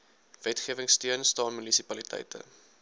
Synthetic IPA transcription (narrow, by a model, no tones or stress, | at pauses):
vɛtχiəvəŋstiənstɑːnmynisipɐlitɛ̰jtə̰